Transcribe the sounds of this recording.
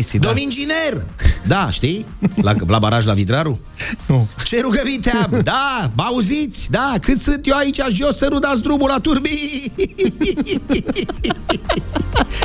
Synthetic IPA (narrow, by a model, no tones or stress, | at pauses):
sid̪omind͡ʒinerd̪aʃt̪ijla̰blabaɾaʒlavid̪ɾaɾu | ut͡ʃe̞ɾuɡəvit̪eabd̪abauzit̪sʲd̪akɨt̪sɨnt̪jewait͡ʃaʒo̞sːənud̪at̪s̬d̪ɾubulat̪urbi